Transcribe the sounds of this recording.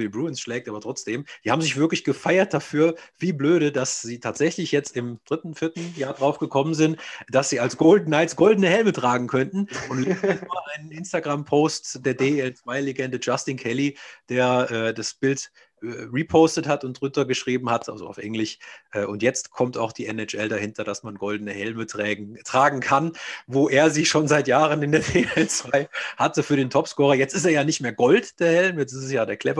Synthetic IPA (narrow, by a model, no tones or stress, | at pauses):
ibʁuːɪnsʃlɛːk̚tʔaːbɐtʁ̥ɔt͡sd̥eːmz̥iːhaːbmzɪçv̥ɪɐklɪçɡ̥əfaɪɐt̚d̥afyːɐv̥iːbløːɾədasz̥iːtʰaːtz̥ɛçlɪçjɛt͡stɪmd̥ʁɪtn̩fɪɐtn̩jaːɐdʁaʊfɡ̥əkʰɔmənzɪntd̥asz̥iːalsɡ̥oʊldn̩naɪtsɡ̥ɔldn̩əhɛlmətʁ̥aːɡŋ̩kʰœntn̩ʊntlːzɛaʔaɪnənʔɪnstaɡʁampʰoʊstd̥eːɐdeɛlt͡sv̥aɪleɡɛndəd͡ʒastinkʰɛlid̥eːɐʔɛːdasb̥ɪlt | ɛʁiːpʰoʊstəthatʊntʁʊntɐɡəʃʁ̥iːbm̩hatʔa̰lzo̰a̰ʊfʔɛ̰ŋlɪçʔɛːʔʊntjɛt͡stkʰɔmtaʊxd̥iːɛnɛt͡ʃʔɛldahɪntʰɐd̥asmanɡɔldənəhɛlməɛtʁ̥aːɡŋ̩kʰanvoːʔeːɐziːʃoːnzaɪtjaːʁənɪndeːɐdeɛlt͡sv̥aɪhatəfyːɐɾeːntʰɔpskɔːʁɐjɛt͡stɪsteːɐjaːnɪçtmeːɐɡɔltd̥eːɐhɛlmjɛt͡stɪstɛsjaːdeːɐkʰl̥ɛvɐ